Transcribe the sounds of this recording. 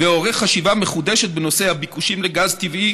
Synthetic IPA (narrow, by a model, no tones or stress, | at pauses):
veo̞ʁeχχːaʃivameχud̪eʃet̪̚beno̞se̞habikuʃimleɡazt̪ivʔi